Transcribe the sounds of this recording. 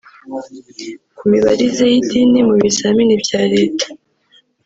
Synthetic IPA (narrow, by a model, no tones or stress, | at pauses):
kumiβa̰ɾizejitinimuβisaminibjaːɾe̞ːtḁ